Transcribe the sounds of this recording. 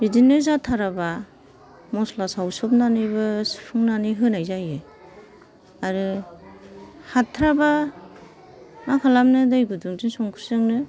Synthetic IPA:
ɾizineɾs̬atʰaɾaba | mɔslasawsɔp̚nanɯjbɯsɯ̥pʰɯŋnaniɦɯnajzajɯ | aɾɯ | hatʰɾaba | nakʰalamnɯdɯjɡuduŋzinsɔŋkʰɯɾsɯŋnɯ

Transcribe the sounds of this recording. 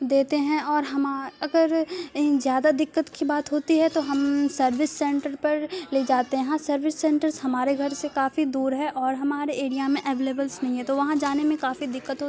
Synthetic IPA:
d̪eːt̪eɦɛ̃ɔːɾɦɐmaɐɡəɾzjaːd̪ad̪ɪkːət̪kibaːt̪ɦoːt̪iɦɛt̪oɦɐmsɐɾʋɪsːɛ̃ɳʈəɾpɐɾleːd͡ʒaːt̪eɛ̃ɦãsɐɾʋɪsːɛ̃ːɳʈəɾzhɐmaːɾeɡʱɐɾsekaːfid̪uːɾɦɛʔɔːɾɦɐmaːɾeʔeːɽijamẽʔɛʋeːleːbəlsnɐɦĩɦɛ̃t̪oʋɐɦãd͡ʒaːnemẽkaːfid̪ɪkːət̪ɦoːt̪i

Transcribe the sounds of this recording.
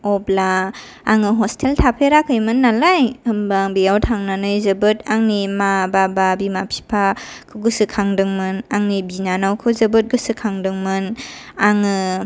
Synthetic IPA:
ɔblaː | ŋɯɦɔstʰeltʰapʰeɾakʰɯjmɯnːalajhɯmbaŋbijawtʰaŋnanɯjzɯbɯtaŋnimabababimapʰi̥pʰakʰɯɡɯsɯkʰaŋdɯŋmɯnaŋnibinanawkʰɯzɯbɯt̚ɡɯsɯkʰaŋdɯŋmɯn | aŋɯ

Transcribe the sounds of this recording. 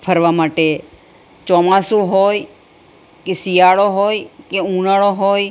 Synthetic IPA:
pʰəɾʋamaʈe | t͡ʃɔmasũɦoj | kesijaɭoɦojkeũnaɭoɦoj

